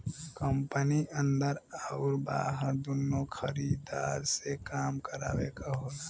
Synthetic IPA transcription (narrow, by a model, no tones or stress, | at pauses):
kəmpəniʔə̃nd̪əɾəʊɾbaːɦəd̪unːokʰəɾid̪aːɾsekaːmkəɾa̰ːwekaɦoːlaː